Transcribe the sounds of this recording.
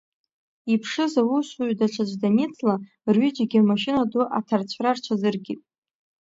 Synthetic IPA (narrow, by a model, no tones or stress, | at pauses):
ipʰʂɨzawuʃʷuɥdat͡ʃʷʰad͡ʒʷdanit͡sʰʼla | rɥid͡ʒaɡʲiamaʃɪnaduʔa̰tʰart͡ɕʷʰrart͡ʃʷʰazɨrɡʲitʼ